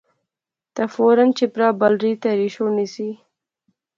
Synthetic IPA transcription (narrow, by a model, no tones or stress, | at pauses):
t̪afoɾant͡ʃepɾɑːbalɾit̪aɾiʃonisi